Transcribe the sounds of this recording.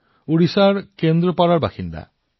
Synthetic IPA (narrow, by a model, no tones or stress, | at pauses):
uɾisaɾkend̪ɾɔpaɾaɾbaxind̪a̰